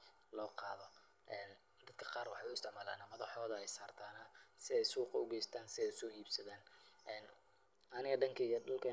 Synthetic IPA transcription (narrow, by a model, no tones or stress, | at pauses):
lɔːqɑːðɔ | ʔɛːn | d̪ɐd̪̥̚kʰɐ̥qɑːrwɑħɑʊɪst̪ɪʕmaːla̰ːnɐmɐðɐħɔːðɐɛjsaːrt̪ʰaːnɐsɪɛjsuːqɑʊɡɛjst̪ʰaːnsɪɛjʊ̥sɔːhiːbsɐðaːnɛːn | ɐnɪɣɐɖɐŋkʰɐijɔɖɐlkʰɐ